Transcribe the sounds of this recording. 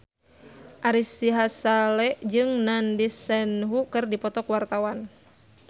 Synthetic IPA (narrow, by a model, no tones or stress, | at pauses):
ʔaɾisiɦasalɛʔd͡ʒɨŋnandisɛnɦukɨrdipɔt̪ɔkwart̪awan